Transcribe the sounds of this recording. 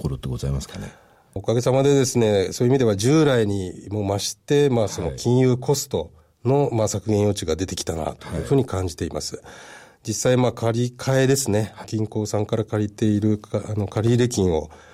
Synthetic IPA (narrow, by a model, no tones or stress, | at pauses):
oɾot̪ːeɡozaimaskane | okaɡe̞samad̪e̞d̪e̞sɨne̞so̞ːɯimʲid̪e̞βaʑɨːɾaiɲ̟imo̞ːmaɕi̥t̪e̞maːso̞no̞kʲĩɰ̃jɯːkʰo̞sɨ̥t̪o̞ | no̞masakɯ̟ɡẽɰ̃jo̞t͡ɕiɡad̪e̞t̪e̞̥kʲi̥t̪ana̰t̪o̞̥jɯ̟ːɸɯ̟ːɲ̟ikãɲ̟d͡ʑit̪e̞ima̰sɨ̥d͡ʑisaimaːkʰaɾʲikʰae̞d̪e̞sɨne̞kʲĩŋko̞ːsãŋkaɾakaɾʲit̪e̞iɾɯ̟ano̞kaɾʲiɾe̞kʲĩɰ̃o̞̰